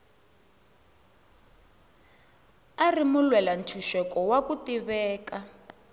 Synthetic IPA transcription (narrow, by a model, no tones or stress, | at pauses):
arimulwɛlan̩tʰuʃɛkɔwakutiβɛːka